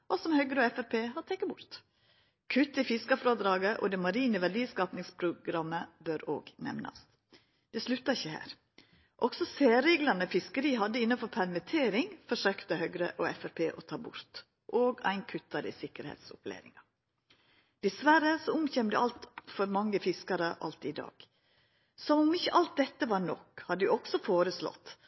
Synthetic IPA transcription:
ʔɔsɔmhœɡɾəɔɛfæɾpʰeːhɑt̪ʰɛkːəbʊɾt̪ | kʰʉt̪ːɪfɪskɑfɾoːd̪ɾɑːɡəʔɔ̰d̪ɛmɑɾiːnəʋæɖiːskɑːpnɪŋspʰɾʊɡɾɑmːəbøɾo̰ːɡnɛ̰ʋnɑ̰s | d̪̥ɛslʉt̪ːɑɪçəhæ̰ːɾ | ʔɔksɔseːɾeːɡlɑnəfɪskəɾiːɦɑd̪ːəɪnːɑfɔɾpʰæɾmɪt̪ʰeːɾɪŋfɔʂøːkt̪əhœɡɾə̰ʔɔɛfæɾpʰeːʔɔt̪ʰɑːbʊɾt̪ | ʔoːɡæ̰ɪnkʰʉt̪ːɑɾɪ̰sɪkəɾhḛːt̪sʊ̰plḛːɾɪ̰ŋɑ | d̪̥ɛsʋæɾəsɔʊmçɛmd̪ɛʔɑlt̪fɔɾmɑŋːəfɪskɑɾəʔɑ̰lt̪ɪd̪ɑ̰ːɡ̥ | sɔmɔmɪçːəʔɑlt̪̚d̪ɛt̪ːəʋɑːɾɳɔkhɑd̪ːd̪ɪɔksɔfoːɾəslɔ̰t̪ː

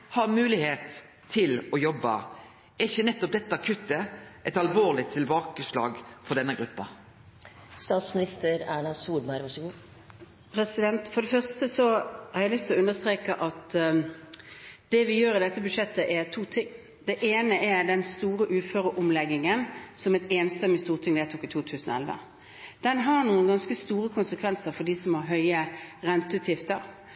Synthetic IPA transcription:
hɑʁmʉːlɪheːt̪ʰː | ɪlɔjɔbːɑ̰ | ɛɪçːənɛt̪ːɔp̚d̪ɛt̪ːəɑkʰʉt̪ːəʔɛɪt̪ɑlʋoːʁlɪt̪ʰɪlbɑːkəslɑ̰ːɡfɔɖ̪ɛnːəɡɾʉpːɑ̰ | st̪ɑːt̪smɪnɪst̪əɾæːɳɑsuːlmɑɪɾʋɑʂɔɡuː | pʰɾɛsɪd̪ɛnt̪fɔdɖɛfœʁst̪əsɔhɑɾjæɪlʏst̪ʰlɔʉnəst̪ɾeːkəʔɑt̪ | d̪̥ɛʋɪjøːɾɪd̪ɛt̪ːəbʉd̪ʂɛt̪ːəʔɛɾt̪ʰuːt̪ʰɪŋː | d̪ɛʔeːnəʔɛɾd̪ɛnst̪uːɾəʔʉːføːɾəʔʊmlɛɡːɪŋənsɔmɛt̪eːnsəməst̪uːɾt̪ʰɪŋd̪ɛt̪uːkɪt̪ʰuːt̪ʰʉːsn̩ɔ̰ɛlʋə̰ | d̪̥ɛnɦɑnuːənɡɑnskəst̪uːɾəkʰʊnsəkʰʋɛnsəɾfɔɖisɔmhɑɾɦœʏəʁɛnt̪əʉːt̪ʰjɪft̪əɾ

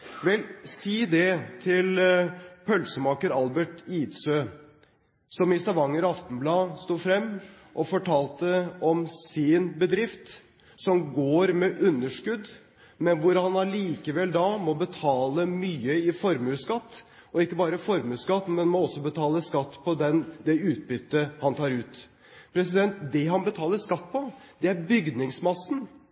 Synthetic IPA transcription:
ʋɛlsiːd̪ɛt̪ʰɪl | pʰœlsəmɑːkəɾɑlbəʈiːt̪søː | sɔmɪst̪ɑʋɑŋːəɾɑft̪n̩blɑːst̪uːfɾɛmː | ʔɔfɔʈʰɑːlt̪əɔmsɪnbəd̪ɾɪft̪ | sɔmɡoːɾmɛʔʉnːəʂkʉd̪ | mɛnʋʊɾhɑnɑliːkəʋɛld̪ɑmɔbət̪ʰɑːləmyːəɪfɔɾmʉskɑt̪ː | ɔɪkːəbɑːɾəfɔɾmʉːskɑt̪ːmɛnmɔɔsːɔbət̪ʰɑːləskɑt̪ːpʰɔd̪ɛnd̪ɛʉːt̪̚bʏt̪ːəhɑnt̪ʰɑːɾʉːt̪ | pʰɾɛsɪd̪ɛnt̪d̪ɛɦɑnbət̪ʰɑːləskɑt̪ːpʰɔd̪ɛæɾbʏɡd̪nɪŋsmɑsːn̩

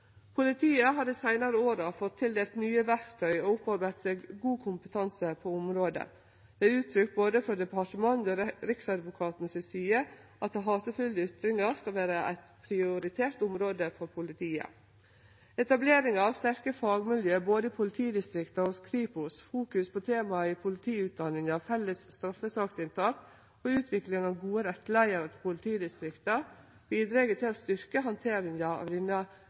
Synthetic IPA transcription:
pʰʊlɪt̪ʰiːəɦɑd̪əsæɪnɑɾəoːɾɑfɔt̪ʰːɪld̪eːlt̪nyːəʋæɾkt̪ʰœʏoʊpɑɾbæɪt̪seːɡɡuːkʰʊmpət̪ʰɑnsəpʰoːʊmɾoːd̪ə̰ | d̪̥ɛʉːt̪ʰɾʏkboːd̪əfɔɾd̪ɛpʰɑʈəmɑnd̪oɾɪksɑd̪ʋʊkʰɑːt̪nsɛsyːəʔɑt̪̚ɑɦɑːsəfʉld̪əʏt̪ɾɪŋɑɾskɑlʋæːɾəʔæ̰ɪt̪pʰɾɪʊɾɪt̪ʰeːɾʈ̪ʊmɾoːd̪əfɔɾpʰʊlɪt̪ʰiːə̰ | ɛt̪ɑbleːɾɪŋɑɑʋst̪æɾkəfɑːɡmɪljøːboːd̪əɪpʰʊlɪt̪ʰiːd̪ɪst̪ɾɪkt̪ɑɔskɾiːpʊsfuːkʉspʰɔt̪ʰeːmɑɪpʰʊlɪt̪ʰiːʉːt̪̚d̪ɑnːɪŋɑʋfɛlːəsst̪ɾɑfːəsɑːksɪnt̪ʰɑːk | ɔʉːt̪ʰʋɪklɪŋɑʋɡuːəɾɛt̪ːlæɪəɾɔt̪ʰpʰʊlɪt̪ʰiːd̪ɪst̪ɾɪkt̪ɑ | b̥iːd̪ɾeːɡət̪ʰɪlɔst̪ʏɾkəɦɑnt̪ʰeːɾɪŋɑɑ̰ʋd̪ɪnə

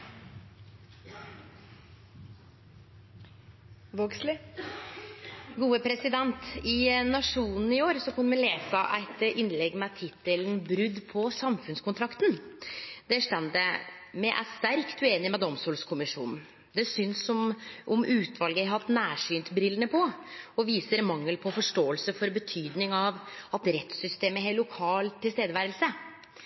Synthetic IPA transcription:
ʋoːɡslɪ | ɡuːəpʰɾɛsɪd̪ɛnt̪ɪnɑʂuːnn̩ɪoːɾsɔkʰʊnːmɛleːsɑʔæ̰ɪt̪ɪnlɛɡːmɛt̪ʰɪt̪ələnbɾʉd̪pʰɔsɑmfʉnskʰʊnt̪ʰɾɑkt̪n | d̪ɛʂt̪ɛnd̪əmɛʔæ̰st̪æɾkt̪ʉeːnɪmɛd̪ɔmsuːlskʰʊmɪʂṵːnn̩ | d̪ɛsʏnsɔmʔɔmʉːt̪ʰʋɑlɡəɾɦɑt̪ːnæːʂyːnt̪bɾɪlːənəpʰɔɔʋiːsəɾmɑŋːəlpʰɔfɔʂʈoːəlsəfɔɾbət̪ʰyːd̪nɪŋɑʋɑt̪ɾɛt̪sʏst̪eːməɦelːʊkʰɑːlt̪ʰːɪlst̪eːd̪əʋæːɾəlsə

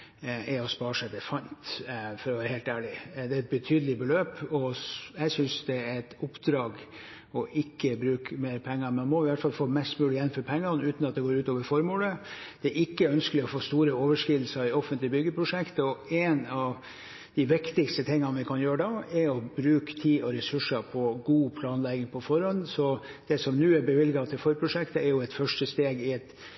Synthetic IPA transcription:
ɛɾɔspɑːɾʂæɪd̪ɛfɑnt̪fɔɾɔʋæːɾəheːlt̪æːɭɪd̪ɛːæɛt̪̚bət̪ʰyːd̪əlɪbəløːpɔjæɪsʏnsd̪ɛæɾɛt̪ʊpd̪ɾɑːɡ | ɔʔɪkːəbɾʉːkmeːɾpʰɛŋːəɾmɛɑnmɔɪʋæʈfɑlfoːmɛst̪mʉːlɪjɛnːføːɾpʰɛŋːɑnʉːt̪n̩ɑt̪̚d̪ɛɡoːɾʉːt̪oːʋəɾfɔɾmuːləd̪̥ɛʔɪkːəœnskəlɪɔfoːst̪uːɾəoːʋəʂkɪd̪l̩səɾɪɔfənt̪lɪbʏɡːəpʰɾʊʂɛkt̪ɔɛːnɑʋ | d̪̥ɪʋɪkt̪ɪkst̪ət̪ʰɪŋːɑnʋɪkʰɑnjøːɾəd̪ɑɛɾɔbɾʉːkt̪ʰiːɔɾɛsʉʂəpʰɔɡuːpʰlɑːnlɛɡɪŋpʰɔfɔɾɔnːsɔ | d̪̥ɛsɔmnʉːæɾbəʋɪlɡɑt̪ʰɪlfɔɾpʰɾʊʂɛkt̪əɛɾjʊɛt̪fœʂʈəst̪eːɡɪɛt̪

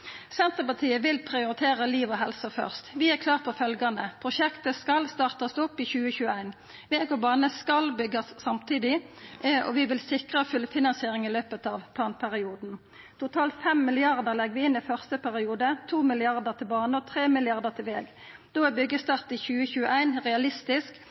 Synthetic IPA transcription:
sɛnt̪əpɑt̪ʰiːəʋɪlpʰʁɪʊɾɪt̪ʰeːʁəliːʋɔɦɛlsəfœ̰ʁst̪ʋɪæʁkʰlɑːʁ̚pʰɔfœlɡɑnəpʰʁʊʃɛkt̪əskɑlst̪ɑːʁt̪ɑsɔpːɪːçʉːəçʉːəæɪn | ʋeːɡɔbɑːnəskɑlbʏɡɑsːɑmt̪ʰiːd̪ɪ | ɔ̰ʋɪʋɪlsɪkʁəfʉlfɪnɑnsɪeːʁɪŋɪløːpət̪ɑːʋpʰlɑːnpʰæʁɪuːd̪n̩ | t̪ʊt̪ʰɑːlt̪fɛmmɪlɪɑʁd̪əʁlɛɡəʋɪɪnːɪfœʁst̪əpʰæʁɪuːd̪ət̪ʰuːmɪlɪɑʁd̪əʁt̪ʰɪlbɑːnəɔt̪ʰʁeːmɪlɪɑʁd̪ət̪ʰɪlʋḛːɡ | d̪̥oːɛbʏɡːəst̪ɑʁt̪içʉːəçʉːəʔæɪnʁɛɑlɪst̪ɪsk

